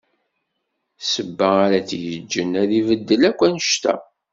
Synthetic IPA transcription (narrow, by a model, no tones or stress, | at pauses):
səbːæaɾæt͡sjəd͡ʒːənæðivəd̪ːəlækʷːænəʃt̪æ̰